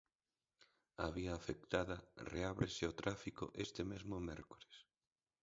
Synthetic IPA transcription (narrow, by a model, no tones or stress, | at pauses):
a̰βiaːfek̚t̪aðɐreaβɾesɪot̪ɾafiko̰ʔest̪emezmʊmɛɾkoɾes